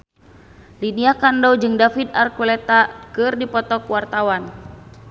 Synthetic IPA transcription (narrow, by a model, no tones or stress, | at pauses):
liniakandɔd͡ʒɨŋdafid̪arkulɛt̪akɨrdipɔt̪ɔkwart̪awan